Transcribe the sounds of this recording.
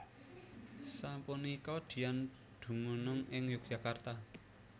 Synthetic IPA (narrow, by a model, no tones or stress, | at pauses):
sampunikɔd̪̥i̤jan | d̪̥ṳmunʊŋɪŋjuk̚ʒ̥a̤kart̪a